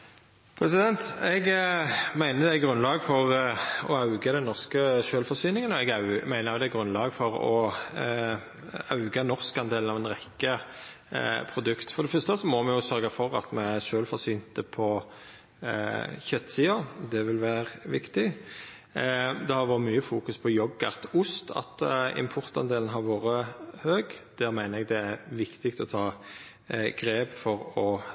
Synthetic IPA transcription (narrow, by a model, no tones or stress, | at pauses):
pʰɾɛsɪd̪ɛnt̪ɛɡmæɪnəd̪æɡɾʉnlɑːɡfɔʁɔɑʉɡəd̪ɛnnɔʁskəʃøːlfɔʁsyːnɪŋənɔɛɡɑʉmæɪnəɾjʊd̪ɛɡʁʉnlɑːɡfɔɾɔ | ɑʉɡənɔɾskɑnd̪eːln̩ɑʋɛnɾɛkːə | pʰɾʊd̪ʉkt̪fɔɾd̪ɛfʏst̪əsɔmɔmɛjʊsœɾɡɑfɔʁɑ̰t̪mɛæʃøːlfɔɾsyːnt̪əpʰɔ | çœt̪ːsiːɑd̪ɛʋɪlʋæːɾʋɪkt̪ɪ | d̪ɛhɑɾʋoːʁmyːəfuːkʉspʰɔjɔɡːɑt̪ʊst̪ɑ̰t̪ɪ̰mpʰʊɾt̪ɑ̰nd̪eːln̩ɦɑɾʋoːɾəhøːɡd̪̥æːɾmæɪnəɛɡd̪ɛæʋɪkt̪ɪkt̪ɔt̪ʰɑː | ɡ̥ɾeːbfɔɾɔ